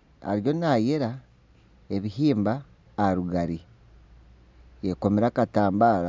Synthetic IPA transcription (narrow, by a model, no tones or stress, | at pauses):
a̰ɾjo̞najeɾa | eβiɦiːmbaː | ɾuɡaɾi | jeko̞meɾakataːmbaːɾa